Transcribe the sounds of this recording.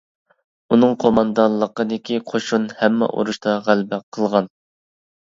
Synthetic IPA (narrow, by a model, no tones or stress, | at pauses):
unɨŋqʰomɑnd̪ɑnlˠːəqəd̪ɪkʲiqʰoʃunhɛmːɛ̰ʔo̰ɾuʃt̪ʰɑʁælbɛqʰəlˠʁɑn